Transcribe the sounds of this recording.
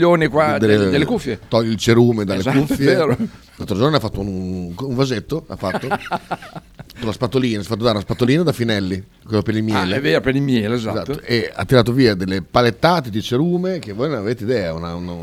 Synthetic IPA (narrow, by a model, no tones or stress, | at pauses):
oːnikwad̪elːd̪elːekufːjet̪ɔʎːilt͡ʃeɾuːmed̪alːekufːjeeːɾo | kalt̪ɾod͡ʒorneafːat̪ːounkuɱvazet̪ːoa̰fːat̪ːo | kolːaspat̪ːoliːnaafat̪ːod̪aɾunaspat̪ːoliːnad̪afinɛlːi | kolopenilmjɛːleeapenimjɛːleezazat̪ːoʔea̰t̪ːiɾaːt̪̬oviːad̪elːepalet̪ːaːt̪ed̪it͡ʃeɾuːmekevojnonaveːt̪eid̪ɛːaunaun